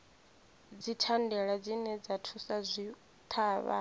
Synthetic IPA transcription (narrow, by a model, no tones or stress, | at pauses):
d͡zitʰandɛɺad͡zinɛd͡zatʰusazʷi | t̪ʰaːβa̰